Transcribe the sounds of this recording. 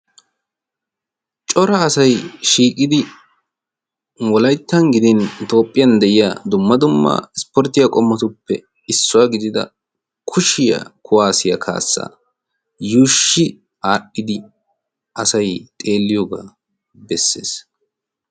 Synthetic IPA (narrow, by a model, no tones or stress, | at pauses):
t͡ʃʼɔɾɐːsɐjʃiːkʼɪd̪ɪ | wɔlɐjt̪ːɐnɡɪd̪ɪnt̪o̞ːpʼːɪjɐnd̪ɛʔɪjaːd̪ʊmːɐd̪ʊmːɐ̰ɪspɔɾt̪ːɪjakʼɔmːɔt̪ʊpːɛ | ɪsːʊwaːɡɪd̪ɪd̪ɐ̰ | kʰʊʃɪja̰kʰʊwaːsɪjɐ̰kʰa̰ːsːa̰ː | juːʃːɪ | aːɗːɪd̪ɪ | ʔɐsɐjt̪ʼe̞ːlːɪjoːɡa̰ː | bɛsːḛːs